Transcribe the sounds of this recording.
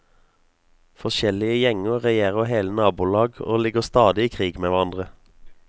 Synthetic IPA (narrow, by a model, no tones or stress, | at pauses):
fɔʃɛlɪəjɛŋəʁɛjeːʁəheːlənɑːbuːlɑːɡo̰ːlɪɡəʁst̪ɑːd̪ɪiːkʰʁiːɡmeːʋæʁɑnd̪ʁə